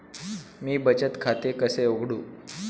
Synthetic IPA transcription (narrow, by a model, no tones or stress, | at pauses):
miːbət͡ɕət̪kʰat̪ekəseoɡʱɽuː